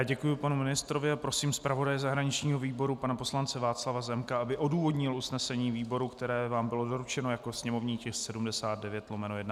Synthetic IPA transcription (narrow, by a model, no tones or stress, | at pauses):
jaɟɛkujʊpanumɪnɪst̪ɾo̞vɪapɾo̞siːmspɾavo̞dajɛzaɦɾaɲɪt͡ʃɲiːɦo̞viːbo̞ɾupanapo̞slant͡sɛvaːt͡slavazɛmkaʔabɪʔo̞duːvo̞dɲɪlusnɛsɛɲiːviːbo̞ɾukt̪ɛɾɛːvaːmbɪlo̞do̞ɾut͡ʃɛno̞jako̞sɲɛmo̞vɲiːcɛxssɛdumdɛsaːd̪̚dɛvjɛt̪lomɛnojɛdna